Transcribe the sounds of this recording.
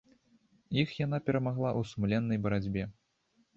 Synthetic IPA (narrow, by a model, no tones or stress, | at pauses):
jixjanapʲɛɾɐmaɣlˠaʔusumlʲɛnːɐjbɐɾad͡zʲbʲɛ